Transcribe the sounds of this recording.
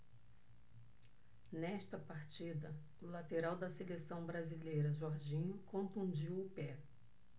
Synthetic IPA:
nɛst̪ɐpaɾt͡ʃid̪ɐ | ʊlat̪eɾawd̪ɐselesɐ̃w̃bɾazilejɾɐʒɔɾʒĩɲʊkõfũd͡ʒiwʊpɛ

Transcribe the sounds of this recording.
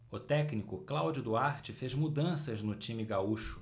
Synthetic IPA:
ʊt̪ɛknikʊklawd͡ʒʊd̪uaɾt͡ʃɪfezmud̪ɐ̃sɐznʊt͡ʃĩmiɡauʃʊ̥

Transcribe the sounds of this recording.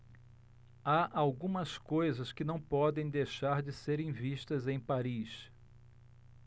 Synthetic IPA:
aʔawɡũmɐskojzɐskɪnɐ̃w̃pɔd̪ẽj̃d̪ejʃaɾd͡ʒɪseɾẽj̃viʃt̪ɐzẽj̃paɾis

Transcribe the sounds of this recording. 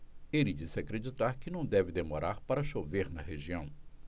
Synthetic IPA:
elɪd͡ʒisɪakɾed͡ʒit̪aɾkɪnɐ̃w̃d̪ɛvɪd̪emoɾaɾpaɾɐʃoveɾnɐɦeʒiɐ̃w̃

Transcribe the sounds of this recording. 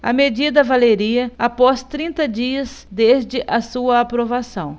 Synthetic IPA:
ɐ̰med͡ʒid̪ɐvaleɾiɐapɔst̪ɾĩnt̪ɐd͡ʒiɐsd̪ezd͡ʒɪʔɐsuɐːpɾovasɐ̰̃w̃

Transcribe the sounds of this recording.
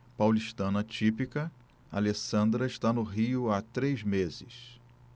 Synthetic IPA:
pawliʃt̪ɐ̃nɐt͡ʃipikɐ | a̰lesɐ̃nd̪ɾɐɪʃt̪anʊɦiʊat̪ɾejzmezɪ̰s

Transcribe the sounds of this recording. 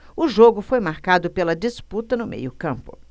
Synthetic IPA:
ʊʒoɡʊfojmaɾkad̪ʊpelɐd͡ʒisput̪ɐnʊmḛjʊkɐ̃mpʊ̥̰

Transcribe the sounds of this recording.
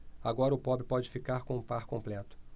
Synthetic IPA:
aɡɔɾɐʊpɔbɪpɔd͡ʒɪfikaɾkõũpaɾkõmplɛt̪ʊ̥

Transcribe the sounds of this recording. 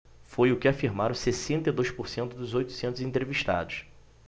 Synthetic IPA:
fojʊkɪafiɾmaɾɐ̃w̃sesẽnt̪ɐid̪ojʃpoɾsẽnt̪ʊd̪ʊzojt̪ʊ̥sẽnt̪ʊzĩnt̪ɾeviʃt̪a̰d̪ʊʃ

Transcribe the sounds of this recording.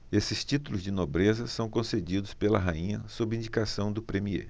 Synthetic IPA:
esɪst͡ʃit̪ulʊzd͡ʒɪnobɾezɐsɐ̃w̃kõsed͡ʒid̪ʊspelɐ̰ɦaĩɲɐ̰sobɾĩɲd͡ʒikasɐ̃w̃d̪ʊpɾemiḛ

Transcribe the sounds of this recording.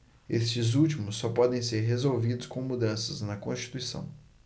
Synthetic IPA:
est͡ʃɪzut͡ʃimʊsːɔpɔd̪ẽj̃seɾɦezowvid̪ʊskõw̃mud̪ɐ̃sɐznɐkõst͡ʃi̥t̪uisɐ̰̃w̃

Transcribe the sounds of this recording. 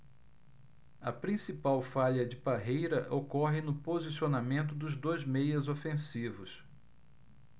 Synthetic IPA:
ɐpɾĩsipawfaʎɐd͡ʒɪbaɦejɾɐʔokɔɦɪnʊpozisionamẽnt̪ʊd̪ʊzd̪ojzmejɐzofẽsivʊs

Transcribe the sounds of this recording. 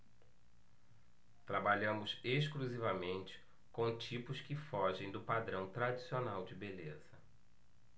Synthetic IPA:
t̪ɾabaʎɐ̃mʊseʃkluzivɐmẽnt͡ʃɪ̥ | kõw̃t͡ʃipʊskɪfɔʒẽj̃d̪ʊpad̪ɾɐ̃w̃t̪ɾad͡ʒisionawd͡ʒɪbelez̥ɐ

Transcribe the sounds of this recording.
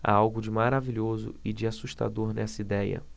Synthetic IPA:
a̰awɡʊd͡ʒɪmaɾaviʎozʊ̰ɪd͡ʒɪasuʃt̪a̰d̪oɾnɛsɐid̪ɛjɐ̰

